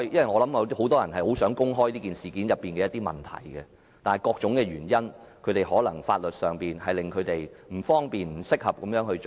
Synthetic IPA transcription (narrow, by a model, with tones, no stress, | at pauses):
jjɐ˥nwɐ˨jŋɔː˨˧lɐ˨˥mɐ˨˧ho˨˥wt̪ɔː˥jɐ˨˩nɦɐ˨jho˨˥wsœː˨˥ŋkʊ˥ŋɦɔː˥jliː˥kiː˨˩nsiː˨˩kiː˨njɐ˨pːiː˨nkɛ˧jɐt̪iː˥mɐ̰˨˩nt̪ʰɐ̰˨˩jɡɛ˧ | t̪aː˨nɐ˨jkɔː˧k̚t͡ʃʊ˨˥ŋkɛː˧ɥyː˨˩njɐ˥n | kʰɵ˨˧ɥt̪e˨jɦɔː˨˥lɐ˨˩ŋfaː˧t̚lɵ˨t̚sœː˨ŋpiː˨nhɐ˨jlɪ˨ŋkʰɵ˨˧ɥt̪e˨jm̩˨˩fɔː˥ŋpiː˨nm̩˨˩sɪ˥k̚hɐ˨p̚kɐ˨˦mjœː˨˥ŋhɵ˧t͡ʃo˨